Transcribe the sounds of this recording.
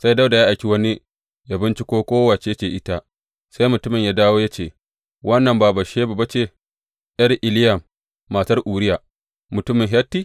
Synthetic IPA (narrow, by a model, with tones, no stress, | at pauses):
sa˦jda˦da˨jaː˦ʔa˨jkʲi˦wɐ˦ni˦ | jaː˦bɪ˦nt͡ʃi˦kʷoː˦kʷoː˦wa˨t͡ʃe˦ja˦t͡ʃeː˨ʔɪ˦ta˦ | sa˦jmʊ˨tʊ˦mɪ˨ɲjaː˦daː˦woː˦ja˦t͡ʃeː˨ | wʔɐ˦nːɐ˨mbaː˨ba˨ʃeː˦ba˨ba˦t͡ʃeː˦˨ | jɐ˦rʔɪ˨lɪ˦jɐ˨mː | a˨tɐ˦rʔuː˨ɾɪ˦ja˨ | mʊ˨tʊ˦mɪ˨ŋɦɐ˦tːi˦˨